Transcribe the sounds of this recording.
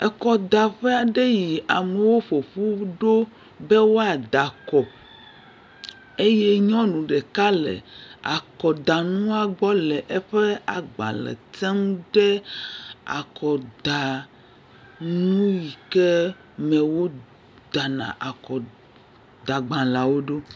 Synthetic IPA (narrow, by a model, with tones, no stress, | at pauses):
ɛ˨kɔ˨d̪a˨ɸɛ˦a˨ɖe˦ji˨a˨me˨wo˦ɸo˨ɸu˦ɖo˦ | be˦wo˦a˨d̪a˨kɔ˨ | e˦je˦ɲɔ̃˦nũ˨ɖe˨ka˦lḛ˨a̰˨kɔ˨d̪a˨nũ˦a˨ɡ͡bɔ˦lɛ˨ʔɛ˦ɸe˦a˨ɡ͡bã̰˨lɛ̰˨t̪ɛ˦mɖɛ˦ | a̰˨kɔ˨d̪a˨ | nũ˦ji˨ke˦ | mɛ̃˨wo˦ | d̪̥a˨nã̰˨ʔa˨kɔ˨ | d̪a˨ɡ͡bã˨la˨wo˦ɖo˦